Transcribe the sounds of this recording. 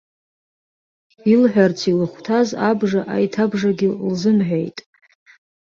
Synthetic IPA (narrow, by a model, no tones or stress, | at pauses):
ilħʷᶣart͡sʰilɨχʷtʰazabʐaʔa̰jtʰabʐaɡʲɪlzɨmħʷᶣejtʼ